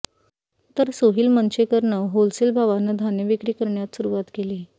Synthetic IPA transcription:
t̪əɾsoɦiːlmənt͡ɕekəɾɳəɦolselbʱaʋanːəd̪ʱanjəʋikɾiːkəɾɳjat̪suɾuʋat̪keli

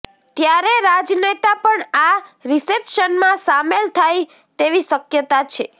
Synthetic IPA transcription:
t̪jaɾeɾad͡ʒnet̪apəɳaɾisepʃənmãsamelt̪ʰaj | t̪eʋiʃəkjət̪at͡ʃʰe

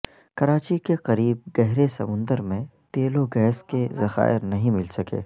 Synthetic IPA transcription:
kɐɾaːt͡ʃikeqɐɾiːb̚ɡɛɦɾesɐmʊ̃nd̪əɾmẽt̪eːloɡɛːskezɐxa̰ːɪɾnɐɦĩmɪlsɐkḛː

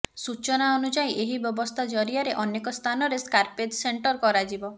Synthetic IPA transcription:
sut͡ʃɔnaɔnud͡ʒajʔeɦibjɔbɔst̪ʰad͡ʒɔɾiaɾeʔɔnekɔst̪ʰanɔɾeskaɾpeʈseɳʈɔɾkɔɾad͡ʒibɔ

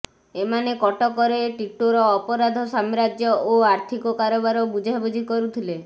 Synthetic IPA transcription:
emanekɔʈɔkɔɾeʈiʈoɾɔːpɔɾad̪ʱɔsamɾad͡ʒjɔʔoaɾt̪ʰikɔkaɾɔbaɾɔbud͡ʒʱabud͡ʒʱikɔɾut̪ʰile

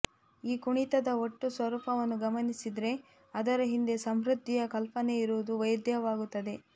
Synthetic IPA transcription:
iːkuɳit̪ɐd̪ɐoʈːusʋɐɾuːpɐʋɐnːuɡɐmɐnisid̪ɾe̞ | ɐd̪ɐɾɐɦind̪e̞sɐmɾud̪ʱːijɐkɐlpɐne̞iɾuʋud̪uʋɐjɐd̪jɐʋaːɡut̪ːɐd̪e̞

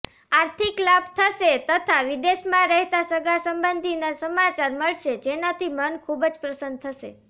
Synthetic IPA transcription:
aɾt̪ʰiklabt̪ʰəʃet̪ət̪ʰaʋid̪eʃmãɾɛɦt̪asəɡasəmbənd̪ʱinasəmat͡ʃaɾməɭʃed͡ʒenat̪ʰimənkʰubd͡ʒpɾəsənd̪̚t̪ʰəʃḛ

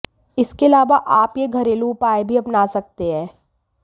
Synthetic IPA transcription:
ɪskeɐlaːʋaʔaːpjeɡʱɐɾeːluːpaːebʱiɐpnaːsɐk̚t̪eɦɛ̃ː

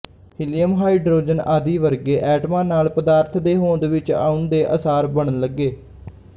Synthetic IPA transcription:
ɦɪlijəmɦaːiːɖɾoːd͡ʒənaːd̪iːʋəɾɡeːʔɛːʈmãːnaːlpəd̪aːɾt̪ʰd̪eːɦoːd̪ʋɪt͡ʃa̰ːʊnd̪eːʔəsaːɾbəɳənləɡːeː

